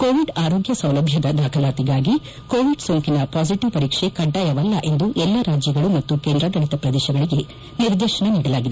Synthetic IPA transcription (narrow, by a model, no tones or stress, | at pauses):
koːʋiɖaːɾo̞ːɡjɐsɐwlɐbʱjɐd̪ɐd̪aːkʰɐlaːt̪iɡaːɡi | koːʋiɖsoŋkinɐpaːs̬iʈiʋpɐɾiːkʂekɐɖːaːjɐʋɐlːɐʔe̞nd̪uʔɛlːɐɾaːd͡ʒjɐɡɐɭumɐt̪ːukend̪ɾɐɡ̪ɐɽit̪ɐpɾɐd̪eːʃɐɡɐɭiɡe̞ | niɾd̪eːʃɐɳɐniːɽɐlaːɡid̪e